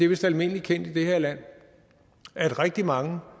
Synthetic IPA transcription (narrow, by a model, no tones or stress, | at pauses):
d̥e̝ʋe̝sd̥ælme̝n̰əlikʰen̰d̥id̥eheɐ̰læn̰ | æɐdʁɛɡ̥̚d̥imɑ̈ŋə